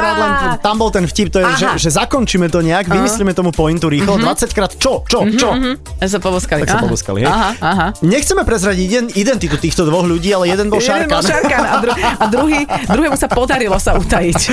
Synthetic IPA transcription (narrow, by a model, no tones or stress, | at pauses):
ɾaːd̪lɛnt̪ambɔlt̪ɛnfcip̚t̪ɔjɛʒɛʒɛzakɔnt͡ʃimɛt̪ɔɲɛaɡʋimislimɛt̪ɔmupɔint̪uɾiːxlɔd̪ʋat͡sackɾaːt̪t͡ʃɔt͡ʃɔt͡ʃɔɛsapɔbɔskaliaksapɔbɔ̰ska̰liɦɛjaaɦaɲɛxt͡sɛmɛpɾɛzɾaɟinid̪ɛnt̪it̪ut̪iːxt̪ɔd̪ʋɔɣʎuɟiːalɛjɛd̪ɛnbɔlʃaɾanɾkakad̪ɾuad̪ɾuɦiːd̪ɾuɦɛːmusapɔd̪aɾilɔsaut̪ajic